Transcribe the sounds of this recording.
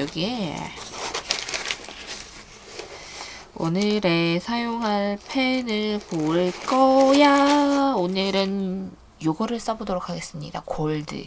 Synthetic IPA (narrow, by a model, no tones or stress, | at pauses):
ʌɡie | o̰nɯɾe̞sʰajoŋɦanpʰenɯɭpoɭk͈ʌjaonɯɾɯn | joɡʌɾɯɭs͈abodoɾokʰaɡe̞s͈ɯmɲḭda̰koɭdɯ̰